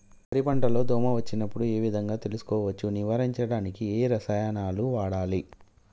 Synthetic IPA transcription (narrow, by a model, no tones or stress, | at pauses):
pɐɾipɐɳʈɐlo̞ːd̪ɔːmɐʋɐt͡ʃːinɐpːuɽue̞ːʋid̪ʱɐŋɡaːt̪e̞lusu̥kɔːʋɐt͡ʃːuniʋɐːɾiɲt͡ʃɐɽaːnikieːɾɐsɐjanaːluʋaːɽaːli